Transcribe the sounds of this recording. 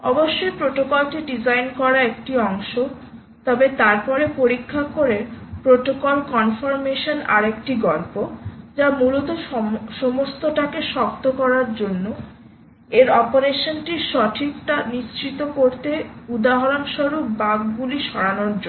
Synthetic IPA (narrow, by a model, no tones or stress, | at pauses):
ɔboʃːojpɾoʈokolʈiɖid͡ʑajnkɔɾaek̚ʈiɔŋʃo | t̪ɔbet̪aɾpɔɾepoɾikʰːakoɾepɾoʈokolkɔnfoɾmeʃona̰ɾekʈiɡɔlpod͡ʑamulot̪oʃomost̪oʈakeʃɔk̚t̪okɔɾaɾd͡ʑonːo | eɾɔpoɾeʃonʈiʃɔʈʰikʈaniʃt͡ɕit̪okoɾt̪eud̪aɦaɾonʃoɾup̚baɡɡuliʃɔɽanoɾd͡ʑo